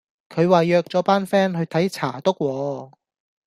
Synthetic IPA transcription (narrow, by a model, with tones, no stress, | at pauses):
kʰɵ˨˧ɥwaː˨jœː˧k̚t͡sɔː˨˥paː˥nfɛː˥nɦɵ˧ɥt̪ʰɐ˨˥jt͡sʰa̰ː˨˩t̪o˥k̚wɔː˨˧